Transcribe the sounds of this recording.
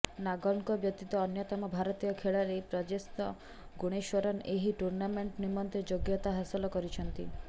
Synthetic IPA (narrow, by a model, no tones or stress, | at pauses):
naɡɔɳkɔbjɔt̪it̪ɔːnjɔt̪ɔmɔbʱaɾɔt̪ijɔkʰeɭaɾepɾɔd͡ʒest̪ɔ | ɡuɽ̃eʃɔɾɔneɦiʈuɾnameɳʈnimɔnt̪ed͡ʒoɡjɔt̪aɦasɔlɔkɔɾit͡ʃʰɔnt̪ḭ